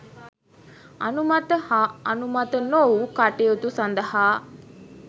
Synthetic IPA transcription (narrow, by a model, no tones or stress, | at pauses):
ɐnumɐt̪əhaɐnumɐt̪ənowkaʈejot̪usɐnd̪ɐhaː